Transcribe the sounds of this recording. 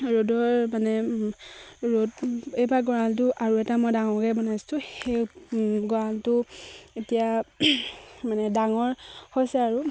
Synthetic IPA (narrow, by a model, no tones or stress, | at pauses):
ɹodɔɹmanɛ | ɹotejbaɡɔɹaltʊʔaɹuɛtamojdaŋɔkɛbɔnajstʊ̃hejɡɔɹaltʊetija | manɛdaŋɔɹhojsɛaɹu